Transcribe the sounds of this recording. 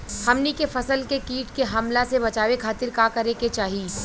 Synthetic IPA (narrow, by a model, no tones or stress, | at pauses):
hɐmnikefɐsəlkekiːʈkeɦɐmlasebɐt͡ʃaːʋekʰaːt̪ɪɾkakɐɾeket͡ʃaːɦiː